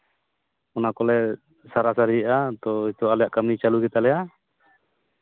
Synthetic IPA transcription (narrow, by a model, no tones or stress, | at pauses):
ɔnakɔlɛ | saɾasaɾiʔat̪ɔit̪ualɛjaʔkamit͡ʃaluɡit̪alɛa